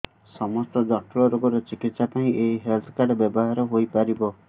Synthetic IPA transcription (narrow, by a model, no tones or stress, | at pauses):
sɔmɔst̪ɔd͡ʒɔʈʰlɔɾoɡɔɾɔt͡ʃikit̪sapaĩʔeɦiɦelt̪ʰɔ̥kaɾɖbjɔbɔɦaɾɔɦojpaɾibɔ